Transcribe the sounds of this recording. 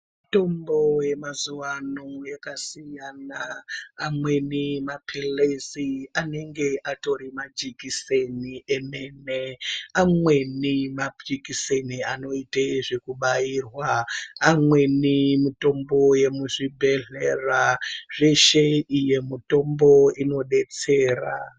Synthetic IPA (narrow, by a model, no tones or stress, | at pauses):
mito̞mbo̞je̞mazuwanojekasijanaːmwe̞nimapʰileziane̞ŋɡe̞ʔato̞ɾimad͡ʒikiseniʔe̞me̞neamwe̞nimad͡ʒikiseniano̞iteʐekuɓajiːrwaːmwe̞nimito̞mbo̞je̞muʐibʱe̞ɮeraʐe̞ʃe̞ije̞muto̞mbo̞ino̞ɗe̞t͡se̞ːra̰